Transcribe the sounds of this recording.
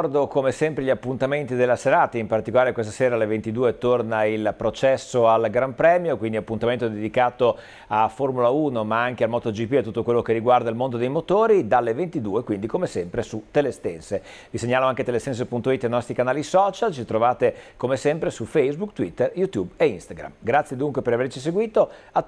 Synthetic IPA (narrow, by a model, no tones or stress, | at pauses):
ɔrd̪okomesɛmpɾeʎːapːunt̪ament̪id̪elːaseɾaːt̪aimpart̪ikolaːɾekwest̪ḁseːɾalːevent̪id̪uːet̪ornailpɾot͡ʃɛsːoalɡɾampɾɛːmjokwind̪iapːunt̪ament̪od̪ed̪ikaːt̪o | aformulauːnomaaŋkealmɔt̪od͡ʒipiat̪ːut̪ːokwelːokerːiɡward̪ailmond̪od̪ejmot̪oːɾid̪alːevent̪id̪uːekwind̪ikomesɛmpɾesut̪ːelest̪ɛnse | viseɲːaːloaŋket̪elːest̪ɛns̬epunt̪oit̪ːajnɔst̪ɾikanaːlisɔːt͡ʃalt͡ʃit̪ɾovaːt̪ekomesɛmpɾesufejzbukt̪wit̪ːerjut̪jubeinst̪aɡɾa̰mɡɾat̪sjed̪uŋkwepeɾavert͡ʃis̬eɡwiːt̪o | a